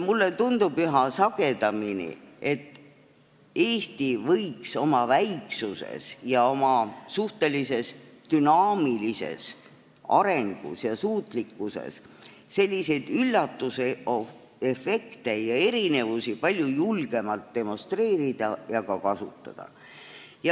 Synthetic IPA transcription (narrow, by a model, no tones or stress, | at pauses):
mulːe̞t̪und̪ub̥yɦɑsɑɡ̥e̞d̪ɑminḭe̞t̪ːˑ | e̞ːst̪ivɤjkso̞mɑvæjksusḛsjɑo̞mɑsuht̪e̞lise̞st̪ynɑːmilise̞̰s | ɑ̰ɾe̞ŋɡ̥ṵsjɑsuːt̪ˑlikːuse̞̰sː | e̞lʲːise̞jd̪̥ylːɑt̪ːuseo | efe̞kt̪e̞jɑe̞ɾine̞vusipɑlʲjujulɡ̥e̞mɑlt̪̚d̪̥e̞mo̞st̪re̞ːɾid̪̥ɑjɑkɑkɑsut̪ˑːɑ̰d̪̥ɑ̰ | jɑ